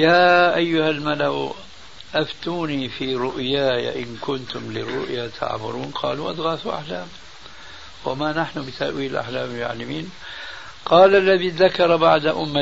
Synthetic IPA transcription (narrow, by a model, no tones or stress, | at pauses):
jaːʔajːʊhalmalaw | ʔaft̪uːniːfiːɾʊʔjaːja̰ʔɪnkʊnt̪ʊmlɪ̰rːʊʔjat̪ʰa̰ʕbʊ̰ɾuːnqʰɑ̰ːluːʔa̰d̪ɣaːθuʔa̰ħlaːm | wamanaħnʊbɪt̪a̰ʔwiːlʔa̰ħlaːmɪʕa̰lːamiːn | qɑːlʔalːaðiːðakɑɾˤɑbaʕd̪aʔʊmːa